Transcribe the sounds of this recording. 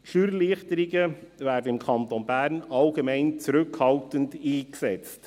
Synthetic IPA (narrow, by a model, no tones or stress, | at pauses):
ʃyɾliəχtəɾiɡəvæːɾdəɪmkʰɑnt̪onbæːɾnɑlɡemɛɪnt͡sɾʉkhɑltəndiːksɛt͡st